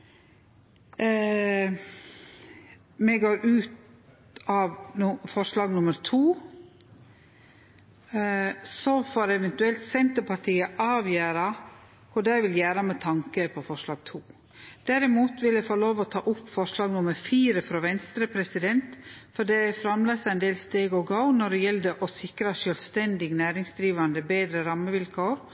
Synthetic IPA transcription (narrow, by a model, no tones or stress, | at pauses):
mɛɡoːɾʔʉːt̪ | ɑːʋfɔʂɭɑːɡnʊməɾt̪ʰuː | sɔfoːɾɛʋɛnt̪ʉɛlt̪sɛnt̪əpʰɑʈʰiːəʔɑːʋjøːɾɑ | kʰʊɖæɪʋɪljæːɾɑmɛt̪ʰɑŋkəpʰɔfɔʂɭɑːɡt̪ʰuː | d̪̥æɾɪmuːt̪ʋɪlæɪfɔɭoːʋɔt̪ʰɑːʔʊpːfɔʂɭɑːɡnʊməɾfiːɾəfɾoːʋɛnst̪ɾəpʰɾɛsɪd̪ɛnt̪fɔɖɛfɾɑmlɑsɑɛnd̪eːlst̪eːɡɔɡɑʊnɔɖɛjɛld̪əʔɔsɪkɾɑʂœlst̪ɛnd̪ɪɡnæːɾɪŋsd̪ɾiːʋɑnd̪əbeːd̪ɾəɾɑmːəʋɪlkʰoːɾ